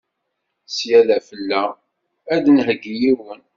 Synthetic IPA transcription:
sjælæfəlːæ | æðnɦəɡːijiwən

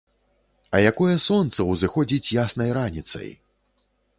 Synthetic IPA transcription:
ɐjakɔjɛsɔnt̪sɐwzɨxɔd͡zʲit͡sʲjasnɐjɾanʲit̪sɐ̰j

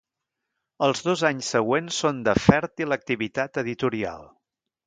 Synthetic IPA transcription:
əlˠzðozaɲsːəɣwensːond̪əfɛɾt̪ilək̚t̪iβit̪at̪əðit̪uɾia̰lˠ

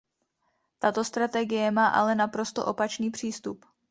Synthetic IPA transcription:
t̪at̪o̞st̪ɾat̪ɛɡɪjɛmaːʔa̰lɛnapɾo̞st̪o̰ʔo̞pat͡ʃniːpr̝̥iːst̪up

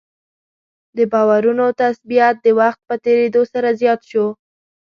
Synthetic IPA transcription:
d̪əbɑwaɾunot̪asbijat̪̚d̪əwaxt̪̚pət̪eɾed̪osaɾazjɑt̪ʃo

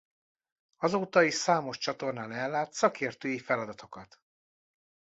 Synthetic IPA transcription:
ɒzoːt̪ɒiʃsaːmo̞ʃt͡ʃɒt̪o̞rnaːnɛlːaːt̪sɒkʰeːrt̪øːjifɛlɒd̪ɒt̪ʰo̞kɒt̪

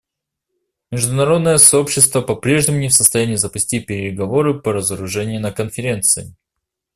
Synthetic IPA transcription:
mʲɪʐd̪ʊnɐɾo̞d̪nəjəsɐo̞pɕːɪst̪vəpɐpɾʲe̞ʐnʲɪmʊnʲɪfsəst̪ɐjænʲɪjːzəpʊsʲtʲipʲɪɾʲɪɡɐvo̞ɾɨpəɾəzəɾʊʐɛnʲɪjɪnəkənfʲɪɾʲe̞nt̪sɨɪ

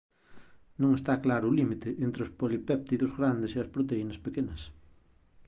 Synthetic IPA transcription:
nõŋest̪aklaɾʊːlimit̪ɪʔent̪ɾeʊspolipɛp̚t̪iðʊzɣɾand̪eɪseɐspɾot̪einɐspekenɐs

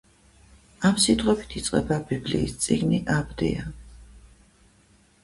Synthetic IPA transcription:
amsid̪ʁʼɔbi̥t̪ʰit̪sʼqʼɛ̰babiblḭːst̪sʼiɡniʔabd̪ḭa

